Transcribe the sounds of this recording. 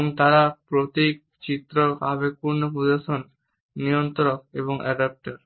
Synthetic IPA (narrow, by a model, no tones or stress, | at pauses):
ŋt̪aɾapɾot̪ik̚ | t͡ɕit̪ɾoabek̚puɾnopud̪aʃonː | ijont̪oɾokḛβoŋɛɖap̚ʈaɾ